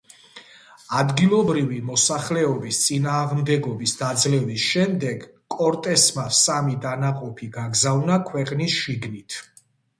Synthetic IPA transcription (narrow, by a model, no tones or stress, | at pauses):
ad̪ɡilˠɔbɾivimɔsaχlɛɔbist̪sʼinaːʁmd̪ɛɡɔbisd̪ad̪zlɛvisʃɛmd̪ɛɡkʼɔɾt̪ʼɛsmasamid̪anaqʼɔpʰiɡaɡzavnakʰwɛqʼnisʃiɡnit̪ʰ